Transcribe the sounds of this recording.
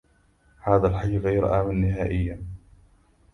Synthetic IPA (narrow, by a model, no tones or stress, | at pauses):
haːðalħajːɣajɾʔaːmanːɪhaːʔɪjːa